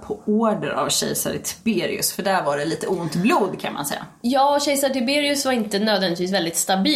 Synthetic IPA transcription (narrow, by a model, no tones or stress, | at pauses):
pʰɔoːɖəɾʔa̰vɕɛ̰jsa̰ɾt̪ʰɪ̥beːɾɪ̰ʉ̰sfœɖæɾvaɖɛliːt̪əʊnt̪bluːd̪kʰanma̰nsɛjːa̰ | jɑːɕɛjsat̪ʰɪbeːɾɪɵsvaɾɪnt̪ənøːd̪vɛnd̪ɪt̪viːsvɛld̪ɪt̪st̪abiː